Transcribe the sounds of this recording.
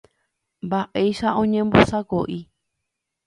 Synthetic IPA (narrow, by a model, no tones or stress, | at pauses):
mbaʔeiʃaõɲẽmbosakoʔi